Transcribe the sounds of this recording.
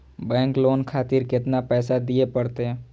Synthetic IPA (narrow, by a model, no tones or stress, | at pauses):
bɛ̃ːŋkloːnkʰaːt̪ɪɾkɪt̪napɛːsad̪iepəɽt̪eɦɛ̃ː